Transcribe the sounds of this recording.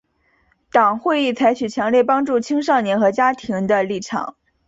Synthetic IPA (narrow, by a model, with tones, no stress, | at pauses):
t̪ɑ˨˩ŋxwe˥˧ɪi˥˩t͡sʰa˧˥ɪt͡ɕʰy˨˩t͡ɕʰjɑ˧˥ŋljɛ˥˩pɑ˥ŋʈ͡ʂu˥˩t͡ɕʰi˥ŋʂɑ˥˩ŋnjɛ˧˥nxɤ˧˥t͡ɕja˥t̪ʰi˧˥ŋd̪ə˧li˥˩ʈ͡ʂʰɑ̰˨˩˦ŋ